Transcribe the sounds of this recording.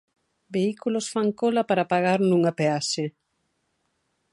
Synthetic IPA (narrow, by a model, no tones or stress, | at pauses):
beikulosfaŋkolɐpaɾapaɣaɾnũŋapeaʃe